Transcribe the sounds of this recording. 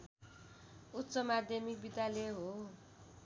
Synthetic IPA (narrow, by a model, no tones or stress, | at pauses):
ut̪ːsʌmad̪ʱjʌmik̚bid̪ʱjaleɦo